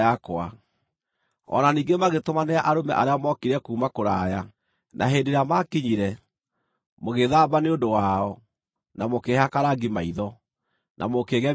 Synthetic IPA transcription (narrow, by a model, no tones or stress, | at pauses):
akwa̰ | ɔ̰naniːŋɡemaɣetomaneaʔaɾomɛ̰ʔaɾeamɔkiɾɛkuːmakoɾaːja | nʔa̰ɦeːndeɾamakiɲiɾɛ | moɣeðaːbaneondowaɔ | namokehakaɾaɡimaiðɔ | nʔa̰mokeːɣɛ